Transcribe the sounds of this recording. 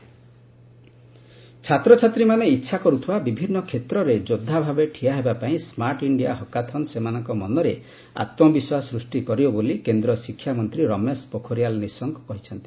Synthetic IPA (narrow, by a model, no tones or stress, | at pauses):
t͡ʃʰat̪ɾɔt͡ʃʰat̪ɾimaneitːʃʰakɔɾut̪ʰiabibʱinːɔkʰet̪ɾɔɾed͡ʒod̪ʱːabʱabeʈʰiaɦebapaĩsmaɾʈiɳɖiaɦɔkat̪ʰɔnsemanɔŋkɔmɔnɔɾe | a̰t̪mɔbiswasɾusʈikɔɾibɔbolikend̪ɾɔsikʰːjamɔnt̪ɾiɾɔmespokʰoɾijalnisɔŋkkɔɦit͡ʃʰɔnt̪i